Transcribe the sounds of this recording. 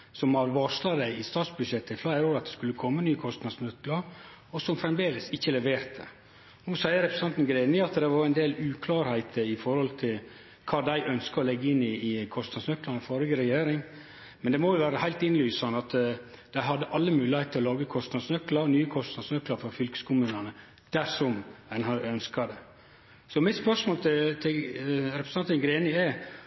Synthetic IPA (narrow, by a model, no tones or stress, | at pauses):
sɔmɑɾʋɑʂlɑd̪æɪɪst̪ɑːt̪sbʉd̪ʂɛt̪ʰːəflæɪɾoːɾɑt̪̚d̪ɛskʉlːəkʰɔmːənyːəkʰɔst̪nɑd̪snœkləɾ | ɔsɔmfɾɛmd̪eːləsɪçːəlɛʋeːɾt̪ə̰ | nuːsæɪəɾɛpɾəst̪ɑnt̪n̩ɡɾenəɑt̪d̪ɛʋɑɾɛɪnd̪eːlʉːkʰlɑːɾhæɪt̪ʰəɪfɔɾhɔlt̪ʰɪl | kʰɑːd̪æɪʔœnskəɔlɛɡːəɪnːɪːkʰɔst̪nɑd̪snœklɑnəfɔɾɪɡəɾɛjeːɾɪŋ | mɛnd̪ɛmɔjʊʋæːɾəhæɪlt̪ɪnlyːsɑnɑt̪ | d̪̥æɪɦɑd̪ːəʔɑlːəmʉːlɪheɪt̪ʰɔlɑːɡəkʰɔst̪nɑd̪snœklɑɾnyːəkʰɔst̪nɑd̪snœklɑɾfɔɾfʏlkə̥skʊmʉːnɑnə | d̪̥æʂɔmænhɑœnskɑd̪ɛ | sɔmɪt̪spœʂmoːlt̪ʰɪt̪ʰɪɾɛpɾəsɑnt̪ənɡɾeːnɪæ